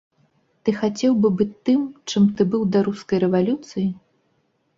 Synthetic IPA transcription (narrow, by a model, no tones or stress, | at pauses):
t̪ɨxat͡sʲɛwbɨbɨt̪ːɨmt͡ʂɨmt̪ɨbɨwd̪ɐɾuskɐjɾɛvalʲut̪sɨji